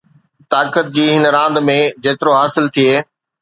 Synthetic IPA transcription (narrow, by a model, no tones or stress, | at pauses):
t̪aːkət̪̚d͡ʑiːɦɪnɾãːnd̪mẽd͡ʑeːt̪ɪɾoɦaːsɪlt̪ʰieː